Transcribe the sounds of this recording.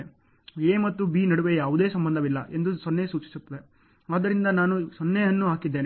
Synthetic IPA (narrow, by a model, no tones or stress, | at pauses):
eːmɐt̪ːubiːnɐɽuʋejaːʋud̪e̞ːsɐmbɐnd̪ɐʋilːɐʔe̞nd̪usɔnːesuːt͡ʃi̥sut̪ːɐʋe | aːd̪ɐɾind̪ɐnaːnusɔnːɛjɐnːuɦaːkid̪ːeːne